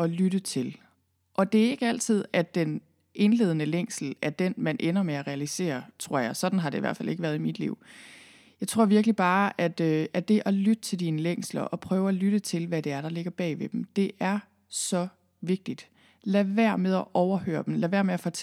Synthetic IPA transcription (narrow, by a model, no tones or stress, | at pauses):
ɒ̽lyɾ̥ət͡sʰe̝l | ʔɒ̽d̥e̝æɐe̝ɡ̥əæl̰t͡sʰið̞̰ˠæd̥en | ʔe̝nle̝ːð̞ˠənəleŋ̰sl̩æd̥enmænʔenɐmeæʁɛælise̝̰ːɐt͡sʰʁo̝ɐ̰jɑ̈ɪsɒ̽d̥n̩ɦɑ̈ɾ̥e̝iʋæ̰ɐfælʔe̝ɡ̥əʋæːɐð̞ˠimid̥lḭʊ̰ | jɑ̈ɪt͡sʰʁo̝ɐ̰ʋiɐɡ̥lib̥ɑ̈ːæd̥øʔædd̥e̝ʔɒ̽lyd̥ət͡sʰe̝ld̥iːnəleŋ̰slɐʔɒ̽pʰʁœːʊælyɾ̥ət͡sʰe̝lʋæd̥e̝æɐɾ̥ɑ̈le̝ɡ̥ɐb̥ɛ̰ːʋe̝d̥em̩d̥e̝ʔæɐ | sɒ̽ | ʋe̝ɡ̥̚d̥id̥ | læʋæɐ̰með̞ˠɒʔɒʊɐhø̰ːɐd̥em̩læʋæɐmeæfɒ̽t͡sʰ